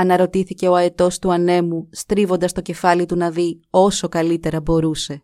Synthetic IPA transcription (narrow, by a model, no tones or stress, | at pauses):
ɐnɐɾo̞t̪iθice̞o̞ɐet̪o̞st̪uɐne̞must̪ɾivo̞nd̪ɐst̪o̞ce̞fɐlit̪unɐðio̞so̞kɐlit̪e̞ɾɐbo̞ɾuse̞